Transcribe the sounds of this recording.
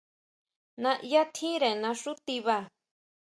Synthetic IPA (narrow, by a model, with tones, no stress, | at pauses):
nã˧ʔi˧˦a˦t̪ʰĩ˦ɾe˨nã˧ʂu˦t̪i˧βa˧˨